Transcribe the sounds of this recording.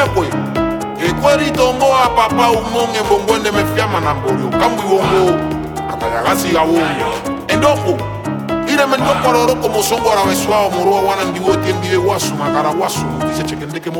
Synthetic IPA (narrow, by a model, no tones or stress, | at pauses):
ɛkwɛ | eikwɛɾitɔmɡɔapapaumoŋɛmbɔŋɡwɛndɛmɛfjamanambɔɾjɔ̰kamuiwɔŋɡo | amɛɾaɣaziɣawoŋ | ɛndɔko | iɾɛmɛndɔkɔɾɔɾɔkɔmosɔŋɡɔɾawɛsuaɔmɔɾɔwawanandiwɔtɛmdiwɛwasumakaɾawasumɾisɛt͡ʃɛkɛndɛkɛm